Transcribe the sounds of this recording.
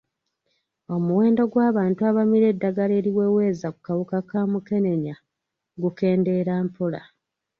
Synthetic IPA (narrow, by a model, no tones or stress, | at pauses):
o̞muwe̞ːndo̞ɡwaːβaːntuaβamiɾe̞dːaɡale̞ːɾiwe̞ːwe̞ːzaku̥kawukakaːmuke̞ne̞ɲa | ɡuke̞ːnde̞ɾaːmpola̰